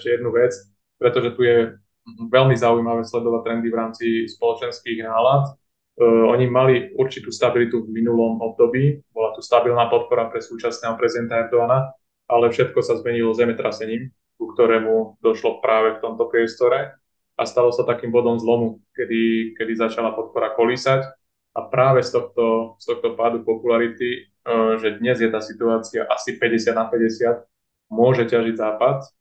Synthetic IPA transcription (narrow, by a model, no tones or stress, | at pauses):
ɛʃcɛjɛd̪nuʋɛt͡s | pɾɛt̪ɔʒɛt̪ujɛ | ʋɛlmizaujmaʋɛːslɛd̪ɔʋat̪ɾɛnd̪ivɾaːmt͡sispɔlɔt͡ʃɛnskiːɣnaːlat̪ | ɔɲimaliuɾt͡ʃit̪uːst̪abilit̪uvminulɔmɔb̚d̪ɔbiːbɔlat̪ust̪abilnaːpɔt̪̚pɔɾapɾɛsuːt͡ʃasnɛːɦɔpɾɛzid̪ɛnt̪aɛɾd̪ɔana | ʔalɛfʃɛt̪kɔsazmɛɲilɔzɛmɛt̪ɾasɛɲiːm | kukt̪ɔɾɛːmud̪ɔʃlɔpɾaːʋɛkt̪ɔmt̪ɔpɾɪɛst̪ɔɾɛ | ʔast̪alɔsat̪akiːmbɔd̪ɔmzlɔmukɛd̪ikɛd̪izat͡ʃalapɔt̪̚pɔɾakɔlisac | ʔapɾaːʋɛst̪ɔxt̪ɔst̪ɔxt̪ɔpaːd̪upɔpulaɾit̪i | ʒɛd̪ɲɛzjɛt̪aːsit̪uaːt͡siaʔasipɛɟɛsɪad̪napɛɟɛsɪat̪ | mʊɔʒɛcaʒiɟzaːpat̪